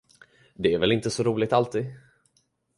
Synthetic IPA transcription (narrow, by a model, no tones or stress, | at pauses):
d̪ɛæɾvɛlɪnt̪əsɔɾuːlɪɡ̚t̪alt̪ʰiːd̪